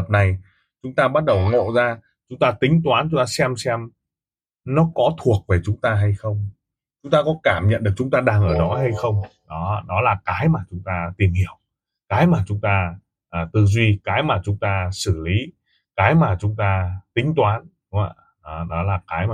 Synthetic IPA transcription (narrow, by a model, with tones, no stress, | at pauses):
ə˨˩p̚na˨˩j | t͡ɕʊ˨˦ŋ͡mt̪aː˧ɓa˦˥t̚ɗə˨˩wŋo̰˧˨zaː˧ | t͡ɕʊ˨˦ŋ͡mt̪aː˧t̪ï˨˦ŋ̟t̪waː˨˦nt͡ɕʊ˨˦ŋ͡mt̪aː˧sɛ˧msɛ˧m | nɔ˨˦kɔ˨˦t̪ʰu˨˩ək̚ve˨˩t͡ɕʊ˨˦ŋ͡mt̪aː˧ɦa˧jxə˧wŋ͡m | t͡ɕʊ˨˦ŋ͡mt̪aː˧kɔ˨˦kaː˧˩mɲə̰˧˨nɗɨ˨˩ək̚t͡ɕʊ˨˦ŋ͡mt̪aː˧ɗaː˧ŋʔəː˧˩ɗɔ˨˦ɦa˧jxə˧wŋ͡mɗɔ˨˦ɗɔ˨˦laː˨˩kaː˨˦jmaː˨˩t͡ɕʊ˨˦ŋ͡mt̪aː˧t̪i˨˩ənhi˧˩əw | kaː˨˦jmaː˨˩t͡ɕʊ˨˦ŋ͡mt̪aː˧ | ʔəː˨˩t̪ɨ˨˩zwi˧kaː˨˦jmaː˨˩t͡ɕʊ˨˦ŋ͡mt̪aː˧sɨ˧˩li˨˦ | kaː˨˦jmaː˨˩t͡ɕʊ˨˦ŋ͡mt̪aː˧t̪ï˨˦ŋ̟t̪waː˨˦nɗʊ˨˦ŋ͡ma̰˧˨ | nɔ˨˦ɗɔ˨˦laː˨˩kaː˨˦jmaː˨˩